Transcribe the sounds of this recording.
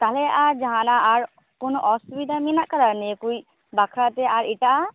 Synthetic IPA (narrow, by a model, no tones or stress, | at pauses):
t̪alɛaɾd͡ʒaɦanaːɹ | kunɔʔɔsubid̪ʱaminaʔkəɾanekuj | bakʰɾat̪ɛaɾiʈa